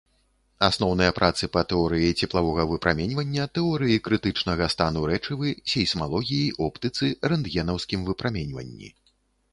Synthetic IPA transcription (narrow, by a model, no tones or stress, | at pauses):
asnɔwnɐjɐpɾʔat̪sɨpɐt̪ɛɔɾɨjɐt͡sʲɛplˠavɔɣɐvɨpɾʔamʲenʲvɐnʲːɐt̪ɛɔɾɨjikɾɨt̪ɨt͡ʂnɐɣɐst̪anuɾɛt͡ʂɨvɨsʲɛjsmalˠɔɣʲijiʔɔpt̪ɨt̪sɨɾɛnd̪jɛnɐwskʲimvɨpɾamʲenʲvɐ̰nʲːḭ